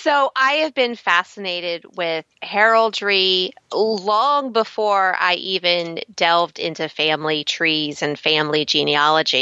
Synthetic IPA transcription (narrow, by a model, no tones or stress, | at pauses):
soʊʔaɪɨvbɨ̃nfæsɨneɪɾɪd̚wɪð̥hɛɹl̩ˠdɹi | lɔ̃ŋbəfɔɹa̰ɪʔivɨ̃ndɛlˠvdɪ̰̃ntʉfæ̃mlitʰɹ̥izɨ̃nfæ̃mlid͡ʒĩniɑlˠəd͡ʒḭ